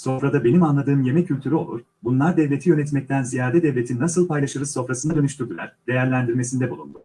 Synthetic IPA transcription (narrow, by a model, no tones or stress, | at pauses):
so̞fɾad̪abe̞nimanlˠad̪ɯːɯmje̞mɛcʰːylʲt̪ʰyɾyo̞̰lˠuɾ̥ | bunlˠaɾd̪ɛvlʲe̞t̪ʰijø̞nɛt̪mɛc̚t̪ʰænzijaːd̪ɛd̪ɛvlʲet̪ʰinːasɯlˠpajlˠaʃɯɾɯzo̞fɾasɯnad̪ø̞nyʃt̪yɾd̪ylʲˠæ̰ɾ̥d̪e̞jæɾlʲænd̪iɾme̞sind̪ɛbulˠṵnd̪ʊ